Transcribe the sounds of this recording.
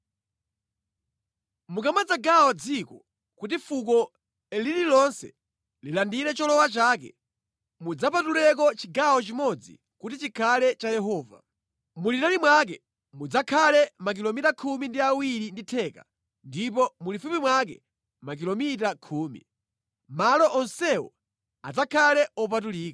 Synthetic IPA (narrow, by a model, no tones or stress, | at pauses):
mukamad͡zaɡawɔd͡zikɔ | kutifuk̬ɔ | lililɔnsɛ̰ | lilandiɾɛt͡ʃɔlɔwat͡ʃaːk̬ɛ̰ | mud͡zap̬atulɛk̬ɔt͡ʃiɡawɔt͡ʃimɔd͡zḭ | kutit͡ʃikʰalɛt͡ʃajɛɦɔːva̰ | mulitalimwak̬ɛ | mud͡zakʰalɛmak̬ilɔmitakʰumindiawiɾinditʰɛka̰ | ndip̬ɔmulifupimwak̬ɛ̰ | mak̬ilɔmitakʰuːmḭ | malɔʔɔnsɛɔ̰ | a̰d͡zakʰalɛɔp̬at̬uliːka